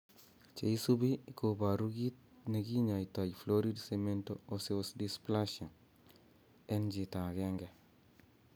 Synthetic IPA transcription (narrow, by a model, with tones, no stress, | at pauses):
t͡ʃe˨i˦su˦bi˦i˨koba˨ɾuɡi˦t̪̚ | neɡi˦ɲa˨ita˨jfloɾi˦dseme˦ntooseosdispla˦ʃɔ˨n | ɛ˦nd͡ʒi˨ta˨ɡɛŋɡɛ˨